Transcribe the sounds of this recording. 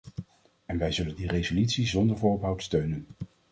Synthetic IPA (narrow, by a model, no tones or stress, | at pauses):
ɛnʋɛjzɵləndirejzolytsizɔndəɹvʊːɹɔpɦʌwtstøɥnən